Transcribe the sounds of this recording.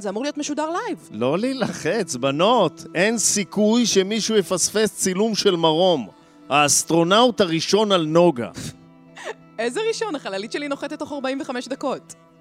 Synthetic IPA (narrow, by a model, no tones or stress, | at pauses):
zeamuʁlijo̞tmeʃudaʁlajvlo̞lilaχet͡sbano̞te̞nsikujʃemiʃujefasfe̞st͡silumʃe̞lmaʁo̞m | haːst̪ʁo̞nauthaʁiʃo̞nalno̞ɡa̰ | ezeʁiʃo̞naχalalitʃelinoχet̪et̪ːo̞χaʁbaiɱveχameʃd̪ako̞t̪